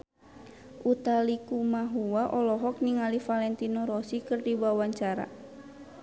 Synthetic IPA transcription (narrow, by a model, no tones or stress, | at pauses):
ʔut̪alikumaɦuwaʔɔlɔɦɔk̚niŋalifalɛnt̪inɔɾɔsikɨrdibawaɲt͡ʃaɾa̰